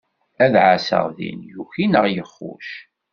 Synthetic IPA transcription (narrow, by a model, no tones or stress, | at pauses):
æðʕasə̰ʁðḭnjuçinəʁjəχːṵʃ